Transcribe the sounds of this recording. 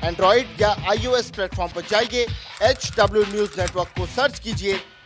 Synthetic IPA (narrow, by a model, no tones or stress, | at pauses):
ɛ̃ːɳɖɾɔːɪɖjaʔaːioːɛsplɛːʈfɔːɾmpɐɾd͡ʒaːieeːt͡ʃɖɐbljunjuːzneːʈʋəɾkːosəɾt͡ʃkid͡ʒie